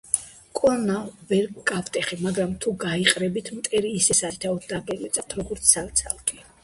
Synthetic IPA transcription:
kʼɔnavɛɾkʼavt̪ʼɛχimaɡɾamt̪ʰuɡaiqʼɾɛbit̪ʰmt̪ʼɛɾiːsɛsasit̪ʰaɔd̪̚d̪aɡɛlit̪sʼat̪ʰɾɔɡɔɾt̪sʰsavt̪sʰalˠkʼi

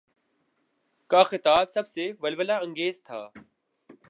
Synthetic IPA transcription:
kaːxɪt̪aːbsəb̚ʱseːʋəlʋəlaːə̃ŋɡeːzt̪ʰa̰ː

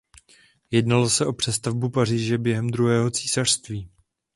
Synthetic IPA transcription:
jɛdnalo̞sɛʔo̞pr̝̥ɛst̪avbupariːʒɛbjɛɦɛmd̪ɾuɦɛːɦo̞t͡siːsar̥st̪viː

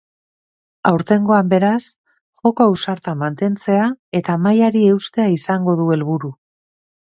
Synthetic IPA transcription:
awɾt̪e̞ŋɡo̞ambe̞ɾas | ʝo̞koawsaɾt̪amant̪e̞nt͡se̞ae̞t̪amajaɾie̞ust̪e̞aisaŋɡo̞ðue̞lβuɾu

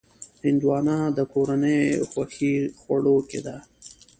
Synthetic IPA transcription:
hɪnd̪wɑːnɑd̪əkoɾanəjxwaxixwaɽoked̪a

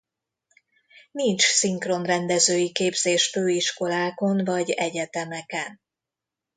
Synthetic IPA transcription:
nint͡ʃsiŋkro̞nrɛnd̪ɛzøːjikeːbz̥eːʃføːiʃko̞laːko̞nvɒɟɛɟɛt̪ɛmɛkɛn

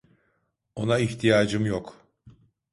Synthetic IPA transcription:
o̞naiçt̪ʰijaːd͡ʒɯmjok

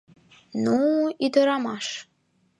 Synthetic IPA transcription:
nuid̪ɤɾɑmɑʃ

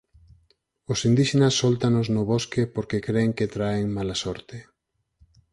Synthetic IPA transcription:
osind̪iʃenasːɔlt̪anoznʊβoskepoɾkekɾeːŋket̪ɾaeŋmalasɔɾt̪e

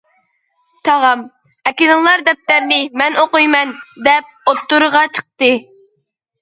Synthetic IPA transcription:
t̪ʰɑʁɑm | ɛkʲɪnɨlˠɑɾd̪ɛp̚t̪æɾnɪmɛnoqujmɛnd̪ɛp̚ot̪ːuɾəʁɑt͡ʃʰə̥q̚t̪ɨ

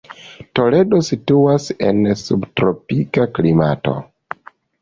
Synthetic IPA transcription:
to̞le̞do̞situase̞̰nsubtɾopikaklima̰to̞̰

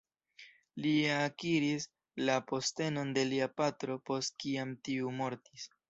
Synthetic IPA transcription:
liakiɾis | lapo̞ste̞no̞nde̞liapatɾo̞po̞st̚kiamtiumo̞ɾtis

